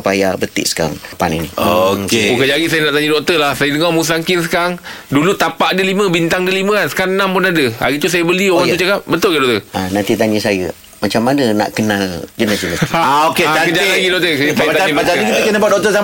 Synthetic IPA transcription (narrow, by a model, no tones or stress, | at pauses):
pajabət̪ɪ̰ʔsə̥kaa̰ŋpa̰nḭnḭokkeukəd͡ʒaɡisajənaʔt̪aɲĩdɔk̚t̪əlahsajədəŋɔmus̬aŋkɪns̬ə̥kaŋdulut̪apaʔdəlimə̃bint̪aŋdəlimə̃ansə̥kaŋnampʊnadəa̰ɾit̪us̬ajəbəlioɣaŋut͡ʃakap̚bət̪ʊlɡadɔʔt̪əanant̪it̪aɲəsajə̰ | mat͡ʃamːanəna̰ʔkənald͡ʒənəsinəaokeakəd͡ʒailaɡidɔʔk̚t̪əsajat̪aaibat̪aikit̪əkənəbuat̪̚dɔk̚t̪əsam